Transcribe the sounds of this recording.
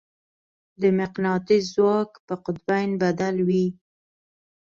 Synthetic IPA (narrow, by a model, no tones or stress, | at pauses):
d̪əmɪqnɑt̪izwɑkpəqʊd̪̚bajnbad̪alwi